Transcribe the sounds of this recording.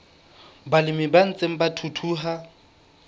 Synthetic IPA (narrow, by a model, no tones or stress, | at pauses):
balɪmɪban̩t͡sʼeŋ̩batʰutʰuːɦa